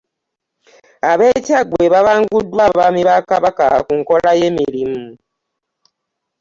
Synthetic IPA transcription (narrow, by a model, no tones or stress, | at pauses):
aβe̞ːcaɡwe̞βaβaːŋɡudːwaβaːmiβakaβaka̰kuŋko̞laje̞miɾimu